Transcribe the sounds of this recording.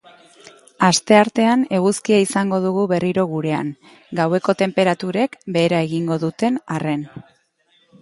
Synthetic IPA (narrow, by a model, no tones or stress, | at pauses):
ast̪e̞aɾt̪e̞ane̞ɣ̞uskiaisaŋɡo̞ðuɣ̞uβe̞riɾo̞ɣ̞uɾe̞a̰ŋ | ɡawe̞ko̞t̪e̞mpe̞ɾat̪uɾe̞kbe̞ːɾae̞ɣiŋɡo̞ðut̪e̞nare̞n